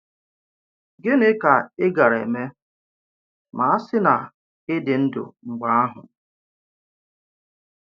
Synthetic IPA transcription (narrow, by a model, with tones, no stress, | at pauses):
ɡɪ˦nɪ˦ka˨ɪ˦ɡa˨ɾḛ˨me˦ | ma˨a˦sɪ˦na˨ | ɪ˦dɪ˨n̩˦dʊ̰˨ŋ͡m̩˨ɡ͡ba˦a˦ɦʊ̰˨